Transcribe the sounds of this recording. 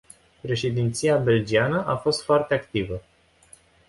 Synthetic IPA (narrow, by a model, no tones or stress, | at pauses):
pɾe̞ʃe̞d̪int̪siabe̞ld͡ʒianəʔafo̞st̪foart̪eakt̪ivə